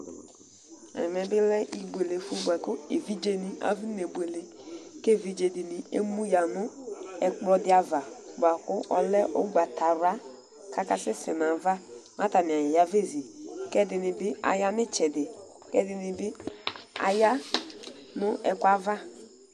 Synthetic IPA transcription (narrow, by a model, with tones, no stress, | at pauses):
a̰˨nɪ˨mɛ˨bɪ˦lɛ˦ʔi˦bu˨e˨le˨fu˦ba˨kʊ˦e˨vi˦d͡ʒe˦ni˨ʔa̰˨vi˦ne˨bu˨e˨le˨ke˦˨vi˨d͡ʒe˨dɪ˨nɪ˨ḛ˦mu˦ja˨nʊ˦ɛ˨k͡plɔ˦dɪ˦a˨va˨ba˨kʊ˦ʔɔ˨lɛ˦ʔʊ̰˦ɡʷa˨tʰa˨ɾa˦ | kʰa˦ka˨sɪ˦sɪ˨na˨va˦ma˦ta˨nɪ˨a˨jɪ˨ja˦ve˦˨zi˨kɛ˦dɪ˨nɪ˨bɪ˦a̰˨ja˦nɪ˦t͡ʃɛ˨dɪ˨ | kɛ˦dɪ˨nɪ˨bɪ˦a̰˨ja˦ | nʊ˦ɛ˨kʷa˦va˦